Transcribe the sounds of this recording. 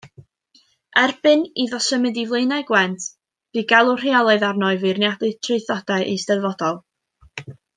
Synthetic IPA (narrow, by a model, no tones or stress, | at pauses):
ɛrbɨniðɔsəmɨdivlˠejnaɡwɛntʰ | b̥ɨɡalˠʊr̥iɔlˠɔɨðarnɔɨvɨrnjadlɨtʰreɨθɔd̥aɨʔistɛðvɔdɔlˠ